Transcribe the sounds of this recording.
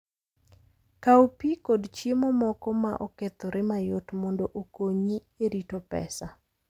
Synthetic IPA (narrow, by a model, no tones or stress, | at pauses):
kaupikodt͡ʃjemomɔkɔma̰ʔɔket̪ɔɾʔɪmajotmɔndɔʔokoɲi | eɾitopɛ̰sa